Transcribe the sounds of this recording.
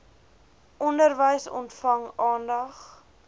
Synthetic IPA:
ʔɔndərvəjsɔ̰ntfɐŋɑːndɐχ

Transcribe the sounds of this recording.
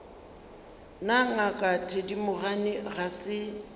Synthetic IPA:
naŋakʼatʰedimʊɣanɪɣasɪ

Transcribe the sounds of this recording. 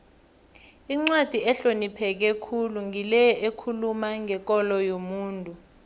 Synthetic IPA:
iŋ͡ǀwad̥ʱiɛɬonipʰɛk̬ɛkʰuluŋilɛjɔʔekʰulumaŋʱɛk̬ɔlɔjomuːntʼu

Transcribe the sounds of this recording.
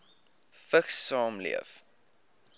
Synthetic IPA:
fəχsɑːmlḭəf

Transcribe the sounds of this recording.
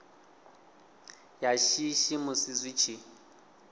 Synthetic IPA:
jaʃiʃimʊsɪzwit͡ʃʰi

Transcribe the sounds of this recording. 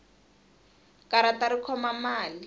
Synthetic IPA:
kaɾataɾikʰɔmamaːli

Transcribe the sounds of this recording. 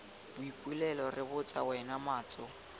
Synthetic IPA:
b̥ʊikʼwilɛlɔrɪbʊt͡sʼawɛnamaːt͡sʼɔ

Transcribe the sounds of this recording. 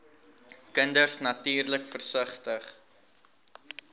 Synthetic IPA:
kəndərsnɐtiːrləkfərsəχtəχ

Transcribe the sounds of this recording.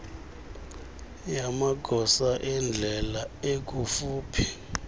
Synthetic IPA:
jamaɡ̥ʱɔsaʔɛnd͡ɮʱɛlaek̬ufuːpʰi̥

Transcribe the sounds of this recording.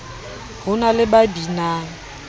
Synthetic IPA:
hʊnalɪbabinaŋ̩

